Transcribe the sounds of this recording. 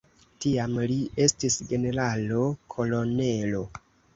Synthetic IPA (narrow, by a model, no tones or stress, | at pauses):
tiamlie̞stisɡe̞ne̞ɾalo̞kʰo̞lo̞ne̞lo̞